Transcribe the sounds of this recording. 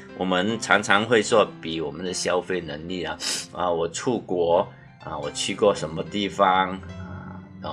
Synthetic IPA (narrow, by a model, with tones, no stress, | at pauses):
wɔ˨˩mə˧˦nʈ͡ʂʰɑ˧˥ŋt͡sʰɑ˧˥ŋxwe˥˧ɪswɔ˥˩pi˨˩wɔ˨˩mə˦nd̪ə˨ɕja˥ʊfe˥˩ɪnə˧˥ŋli˥˩nə˨ə˧˩wɔ˨˩ʈ͡ʂʰu˥˩kwɔ˧˥ | ə̰˧˩wɔ˨˩t͡ɕʰy˥˧kwɔ˥˩ʂə˧˥nmə˧t̪i˥˩fɑ˧ŋə˩˧˩